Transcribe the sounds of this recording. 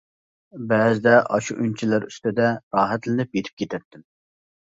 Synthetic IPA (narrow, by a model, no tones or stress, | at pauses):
bɛzɪd̪ɛʔɑʃuʔynt͡ʃʰilɪɾy̰st̪ɪd̪ɛɾɑːɦɛt̪lɪnɪpjet̪ʰɪ̥p̚kʲʰet̪ʰɛt̪ʰːɪm